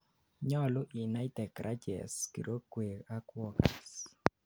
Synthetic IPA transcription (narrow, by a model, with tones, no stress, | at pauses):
ɲɔ˦lʊ˦ʔi˨na˦itɛ˨kɾʔa˦d͡ʒɛ̰˨skḭ˨ɾo˦kwe˨a˦kwɔ˦kɛ˨s